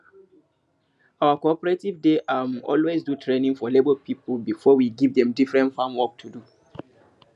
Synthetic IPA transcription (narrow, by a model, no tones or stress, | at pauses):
awakɔpɛɹetivdeʔamɔ̰lwesdutʰɹenĩŋfɔlebəlpipəlbifɔwiɡivdɛ̃mdifɹɛ̃ntfãmwɔk̚tʰudu